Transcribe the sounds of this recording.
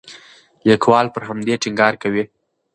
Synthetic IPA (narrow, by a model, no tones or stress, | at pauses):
jakwɑlpəɾɦamd̪eʈɪŋɡɑɾkawi